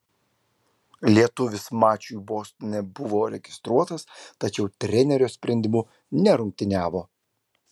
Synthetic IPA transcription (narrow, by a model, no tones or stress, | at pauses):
lʲiɛt̪ʊʋʲɪsmɑːt͡ʃʲujboːsʲt̪ʲɪnʲɛbʊʋoːɾʲɛɡʲɪst̪ɾuɔt̪ɐst̪ɐt͡ʃʲɛʊt̪ʲɾʲɛnʲɛɾʲoːsʲpʲɾʲɛnʲd̪ʲɪmuː | nʲɛɾʊŋʲk̚ʲt̪ʲɪnʲæːʋoː